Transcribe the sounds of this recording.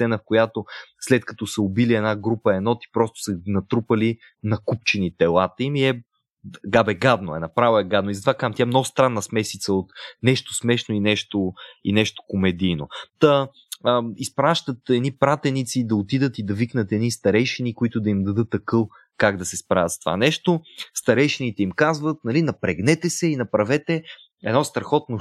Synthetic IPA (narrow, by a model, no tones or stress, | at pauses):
ssɛnəfkojat̪oslɛt̪kɐ̥t̪ɔsɐobiliɛnaɡɾupəɛnɔt̪i̥pɾɔst̪o̥sənɐt̪ɾupɐli | nɐkup̚t͡ʃɛnit̪ɛlˠat̪əimiɛ | ɡabɛɡad̪noɛ̰nɐpɾavoɛɡad̪noizɐt̪ovakamt̪ʲaɛmnɔɡʊst̪ɾanːɐsmɛsit̪səot̪nɛʃt̪osmɛʃnoinɛʃt̪oḭnɛʃt̪o̥komɛd̪ijnod̪̥ə | ispɾaʃt̪ət̪ɛd̪nipɾat̪ɛnit̪sid̪ɐot̪id̪ət̪id̪ɐviknət̪ɛd̪nist̪ɐɾɛjʃɛnikʊit̪ʊd̪ɐimd̪ɐd̪ɤt̪ːɐkɤlˠ | kaɡd̪ɐsɛspɾa̰vət̪st̪ova̰nɛʃt̪ost̪ɐɾɛjʃɛnit̪ɛimkazvət̪nɐlinɐpɾɛɡnɛt̪ɛsɛinɐpɾɐvɛt̪ɛ | ɛd̪nɔst̪ɾɐxɔt̪no